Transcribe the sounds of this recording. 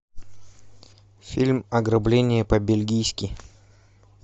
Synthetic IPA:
fʲilʲmɐɡɾɐblʲenʲɪjəpəbʲɪlʲɡʲijskʲɪ

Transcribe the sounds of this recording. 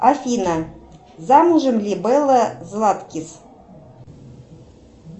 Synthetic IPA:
afʲinɑ | zɑmuʒɤ̆mlʲibɘlɤ̆zlˠɑt̪kʲis

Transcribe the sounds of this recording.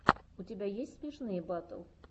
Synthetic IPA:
utʲɪbʲæjesʲt̪ʲspʲiʂnɨjəbat̪ə̰lˠ

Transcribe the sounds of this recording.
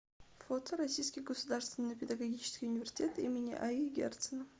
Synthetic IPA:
fot̪əɾɐsʲijskʲɪjɡəsʊd̪arst̪vʲɪnːɨjpʲɪd̪ɐɡɐɡʲit͡ɕɪ̥skʲijʊnʲɪvʲɪrʲsʲɪ̥tʲet̪ḭmʲɪnʲɪ̰ʔaiɡʲḛrt̪sənəf

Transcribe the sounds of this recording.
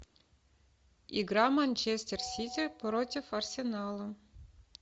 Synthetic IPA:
iɡɾɑmɐnʲt͡ɕesʲt̪ʲersʲitʲipɾotʲifɐrsʲenɑlˠə

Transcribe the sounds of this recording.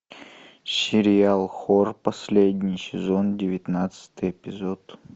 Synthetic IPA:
sʲɪɾʲɪalˠxorpɐsʲlʲedʲnʲɪjsʲɪzo̞ndʲɪvʲɪt̪nat̪sɨ̥t̪ɨjepʲɪzot̪

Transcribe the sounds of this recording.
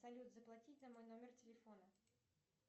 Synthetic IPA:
sɐlʲut̪zəplˠɐtʲitʲnɐmo̞jno̞mʲɪrtʲɪlʲɪfo̞nə

